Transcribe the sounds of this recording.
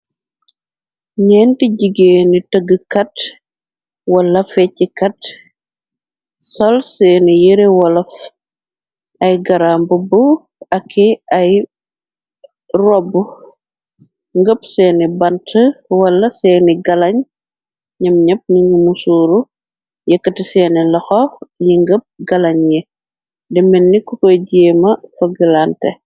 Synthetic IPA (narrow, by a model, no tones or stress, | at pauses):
ɲɛːntiɟiɡeːnitəɡəkɐt | wɐlːɐfɛcikɐt | sɐlsɛːnijiɾewɐlɐf | ɐjɡɐɾambəbu | ɐkʰːiɐj | rɔbu | ŋɡəpsɛːnibɐntəwɐlːɐsɛːniɡɐlɐɲ | ɲɐmɲɐp̚niŋɡimusuːɾu | jɛkːɐtisɛːnilɐxɔjiŋɡəp̚ɡɐlɐɲjɛ | dɛmɛnːikukɔjɟɛːmɐfɐɡilantɛ̰